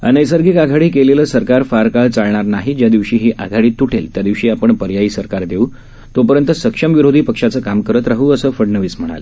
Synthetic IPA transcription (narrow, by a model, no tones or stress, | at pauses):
ə̰nəjsəɾɡiːkaɡʱaɽiːkeleləːsəɾkaɾfaɾkaɭt͡saɭɳaɾnaɦid͡ʑjad̪iʋɕiːɦiːʔaɡʱaɽiːt̪ːuʈʰelt̪jad̪iʋɕiːapəɳpəɾjaiːsəɾkaɾd̪eu | t̪opəɾjənt̪əsəkʂəmʋiɾod̪ʱiːpəkʂat͡səːkamkəɾət̪ɾaɦuːəsəːfəɽnəʋiːsm̤əɽ̃a̰l